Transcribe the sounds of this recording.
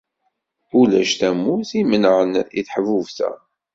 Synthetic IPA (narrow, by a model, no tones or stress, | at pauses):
ulæ̰ʃθæmːuθimənəʕənḭθħəvuvθæ̰